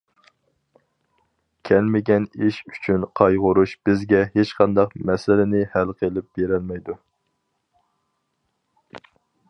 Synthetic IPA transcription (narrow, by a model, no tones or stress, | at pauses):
kʲʰɛlmɪɡʲɛniʃyt͡ʃʰynqʰɑjʁʊɾuʃb̥ɪzɡʲɛhet͡ʃqɑnd̪ɑqmɛsɪlɪnɪhælqʰelɪp̚beɾɛlmɛjd̪u